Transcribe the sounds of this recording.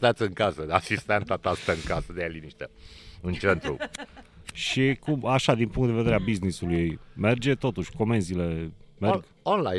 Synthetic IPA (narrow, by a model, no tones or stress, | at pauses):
t̪at̪sʲɨŋkasəasist̪ent̪at̪ast̪əɨŋkasəd̪eeliniʃt̪eɨnt͡ʃent̪ɾṵ | ʃikumaʃad̪inpuŋkt̪d̪eed̪eɾeabiznisulujejme̞rd͡ʒe̞t̪o̞t̪uʃʲko̞me̞nzile̞merɡ | onlaj